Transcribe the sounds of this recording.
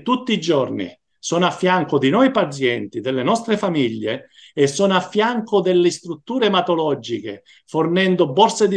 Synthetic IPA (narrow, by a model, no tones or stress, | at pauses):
t̪ut̪ːid͡ʒɔrnḭ | sɔnafːjaŋkʊd̪inɔjpat̪sjɛnt̪id̪elːenɔst̪ɾefamiʎːeː | sːɔnoafːjaŋkʊd̪elːest̪ɾut̪ːuːɾemat̪olɔd͡ʒikḛ | fornɛnd̪ʊbɔrsed̪i